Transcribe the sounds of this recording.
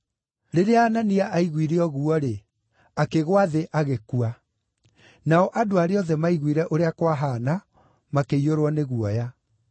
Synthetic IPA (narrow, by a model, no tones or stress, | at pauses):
ɾeɾeaːnaniaʔaiɣwiɾeɔɣuɔɾe | akeɣwaðeʔaɣekua | naɔʔadoaɾeɔðɛmaiɣwiɾɛʔoɾeakwaɦana | makeioɾwɔneɣuɔja